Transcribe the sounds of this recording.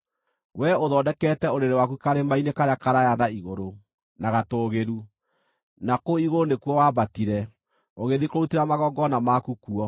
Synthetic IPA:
wɛoðɔdɛkɛtɛoɾeɾewakukaɾemainekaɾeakaɾajanaiɣoɾo | naɣatoːɣeɾu | nakoiɣoɾonekwɔwabatiɾɛ | oɣeðikoɾuteɾamaɣɔɡɔnamakukuɔ

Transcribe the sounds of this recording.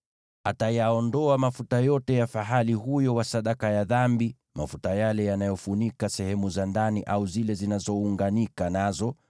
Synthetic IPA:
atajaɔndɔamafutajɔtɛjafaɦaliɦujɔwasaɗakajaðambi | mafutajalɛjanajɔfunikasɛhɛmuzandaniʔauzilɛzinazɔuŋɡanikanazɔ

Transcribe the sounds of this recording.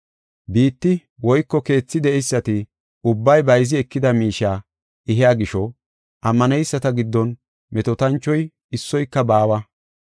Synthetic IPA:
biːt̪ːɪ | wɔjkːɔke̞ːt͡sːɪd̪ɛʔɛjsːɐt̪ɪ | ʊbːɐjbɐjzɪɛkːɪd̪ɐmiːʃaː | ɪɦɪjaːɡɪʃɔ | ʔɐmːɐnɛjsːɐt̪ɐɡɪd̪ːɔn | mɛt̪ɔt̪ɐnt͡ʃːɔj | ɪsːɔjkːɐbaːwɐ

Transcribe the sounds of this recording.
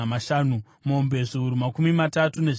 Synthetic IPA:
maʃaːnu | mombe̞ʐiuɾumakumimatatune̞ʐ

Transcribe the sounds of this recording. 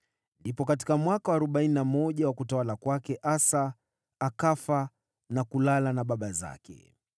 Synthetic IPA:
ndipɔkati̥kamwakawaːɾɔɓaininamɔʄawakutawalakwakɛʔasa | akafa | nakulalanaɓaɓaza̰kɛ̰

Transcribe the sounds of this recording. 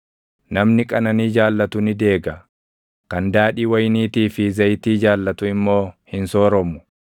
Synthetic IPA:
nɐmnɪkʼɐnɐniːd͡ʒaːlːɐt̪ʊnɪd̪e̞ːɡɐ | kɐnd̪aːᶑiːwɐjniːt̪iːfɪzɐjt̪iːd͡ʒaːlːɐt̪ʊɪmːo̞ːhɪnso̞ːɾɔmʊ̥

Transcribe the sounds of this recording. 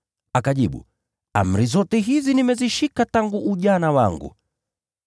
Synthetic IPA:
akaʄiɓṵ | a̰m̩ɾizɔtɛɦizinimɛziʃikataŋɡuʔːʄanawaŋɡṵ

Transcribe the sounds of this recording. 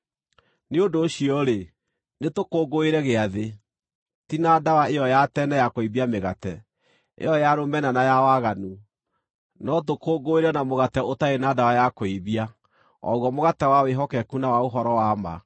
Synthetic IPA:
neondoɕiɔɾe | netokoːɡoeɾɛɣeaðe | tinadawaejɔjatɛnɛjakoiβiameɣatɛ | ḛjɔjaɾomɛnanajawaɣanu | nɔt̬okoːɡoeɾɛnamoɣatɛotaenaːdawajakoiβia | ɔ̰ɣwɔmoɣatɛwaweɦɔkɛkunawaoɦɔɾɔwama̰

